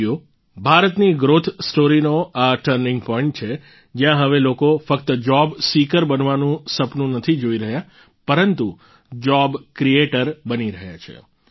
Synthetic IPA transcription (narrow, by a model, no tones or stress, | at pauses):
o | bʱaɾət̪niɡɾot̪ʰsʈoɾinoaʈəɾnɪ̃ŋɡ̚pɔɔiɳʈ̚t͡ʃʰe | d͡ʒjãɦəʋelokofəkt̪əd͡ʒɔbsikəɾbənʋanũsəpnũnət̪ʰid͡ʒoiɾəɦja | pəɾənt̪u | d͡ʒɔbkɾieʈəɾbəniɾəɦja̰t͡ʃʰḛ